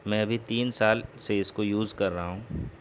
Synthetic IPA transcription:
mɛ̃ːɐbʱit̪iːnsaːlseɪskojuːzkɐɾːɐɦaɦũː

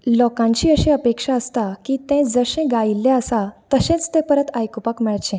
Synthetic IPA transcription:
lɔkãɲt͡ɕiːəɕẽəpekʂaəst̪akiːt̪ẽd͡zəɕẽɡailːeəsat̪əɕẽt͡st̪ẽpəɾət̪ajkupakmɛɭt͡ɕẽ

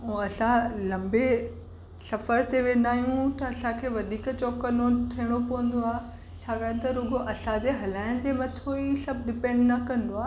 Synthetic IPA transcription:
uɐsãlɐ̃mbe | sɐfəɾt̪eʋẽːnd̪aːɦijũt̪ɐɐsãkʰeːʋɐd̪iːkt͡ɕoːkɐnoʈʰiːɽ̃opɐʋə̃nd̪oaːɦ | t͡ɕʰaːɡaːj̃t̪ɐɾoɡoʔɐsãd͡ʑeːɦɐlaːɪɽ̃d͡ʑeːmɐt̪ʰoiːsɐbʱɗɪpẽɳɖnɐkɐ̃nd̪oaː

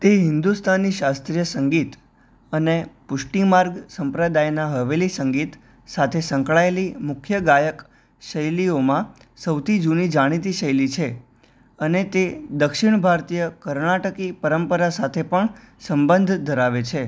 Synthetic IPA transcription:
t̪eɦɪnd̪ust̪ʰanːiʃast̪ɾijəsəŋɡit̪ | ənepʊʂʈimaɾɡsə̃mpɾəd̪ajnaɦəʋelisəŋɡit̪ | sat̪ʰesəŋkɭaelimʊkʰjəɡajək | ʃəjliomã | səwt̪ʰid͡ʒunid͡ʒaɽ̃it̪̬iʃəjlit͡ʃʰe | ənet̪ed̪əkʃiɳbʱaɾt̪ijəkəɾɳaʈəkipəɾəmpəɾasat̪ʰepəɳ | səmbənd̪ʱd̪ʱəɾaʋet͡ʃʰe

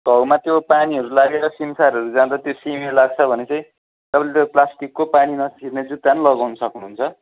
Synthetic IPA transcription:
ɡʌwmat̪jopaniɦʌɾulaɡeɾʌsimsaɾɦʌɾud͡zãd̪at̪josimelaɡ̚t͡sʰʌbʱʌnet͡sʌ̃ĩ | t̪ʌpãlet̪oplasʈikːopaninʌsirned͡zut̪ːanlʌɡawnʌsʌknuɦunt͡sʰʌ

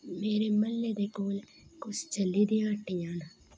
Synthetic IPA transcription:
meːɾeməlːeːd̪ekoːl | kʊst͡ʃəlːid̪iãːʈːijãːn

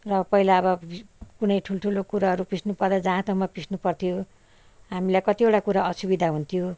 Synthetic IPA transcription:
rʌpʌɦilaʌbʌbikunʌjʈʰulʈʰulokuɾaɦʌɾupisnupʌrd̪ad͡zããt̪ʰʌw̃mapisnupʌrt̪ʰijo | ɦamilajkʌt̪ioʈakuɾaʌsubid̪ʱaɦunt̪ʰijo

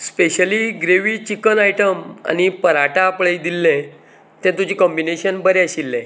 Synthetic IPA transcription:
speɕəliːɡɾeʋiːt͡ɕikənaiʈəma̰ñipəɾaʈaːpɭəid̪ilːẽ | t̪ɛ̃t̪ud͡ʑiːkɔmbineɕənbəɾeəɕilːẽ

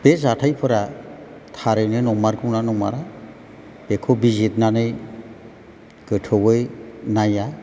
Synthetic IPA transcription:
b̥ezatʰajpʰɯɾa | tʰaɾɯjnɯnɔmaɾkɯwnanɔma̰ɾa | b̥ekʰobizitnanɯj | ɡ̥ɯtʰɯwɯjnaja

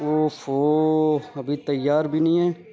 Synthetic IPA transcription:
oːfoːəbʱit̪əjːaːɾbʱiːnĩːɛː

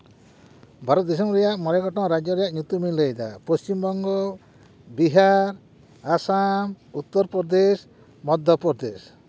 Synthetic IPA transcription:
baɾɔd̪is̬embɾɛjaʔmɔɾɛɡɔʈɔ̃ŋɾad͡ʒjɔɾɛjaʔɲut̪umilejd̪a̰post͡ʃimbɔŋɡɔ | biɦaɾ | asam | ut̪ːɔɾpɔɾd̪es | mɔd̪ʱjɔpɔɾd̪es

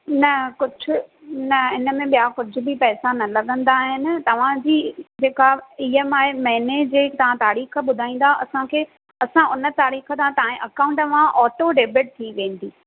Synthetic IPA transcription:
nɐkʊd͡ʑʱʊnɐɪnə̆mẽɓijakʊd͡ʑʱʊ̆bɪpɛːsanɐlɐɠə̃nd̪aːɦɪnɪ̆t̪ɐʋ̤ãd͡ʑiːd͡ʑeːkaiːemaːɦemɐɦɪned͡ʑeːkt̪ɐʋ̤ãt̪aːɾiːxəɓʊd̪ʱaːĩːnd̪aʔɐsãkʰeː | ɐsãʔʊnə̆t̪aːɾiːxə̆t̪ãt̪aːẽʔɐkaːʊ̃ɳʈɐʋ̤ãʔɔːʈoɖeːbɪʈ̚t̪ʰiʋẽːn̆t̪ʰiː

